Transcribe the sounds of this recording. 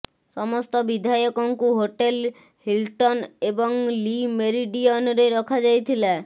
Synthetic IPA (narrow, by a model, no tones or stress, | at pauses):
sɔmɔst̪ɔbid̪ʱajɔkɔŋkuɦoʈel | hilʈɔnebɔŋlimeɾiɖiɔnɔɾeɾɔkʰad͡ʒajt̪ʰila